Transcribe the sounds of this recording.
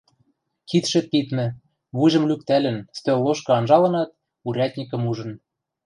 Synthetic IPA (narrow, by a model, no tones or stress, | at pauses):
kʰit̪ʃĕt̪̚pit̪mɘ̆ | βujʒɤ̆mlʲyk̚t̪ælɘ̆nst̪ølːoʃkɤ̆ɑnʒɑlɤ̆nɑt̪̚ | uɾʲæt̪ʲnʲikɤ̆muʒɤ̆n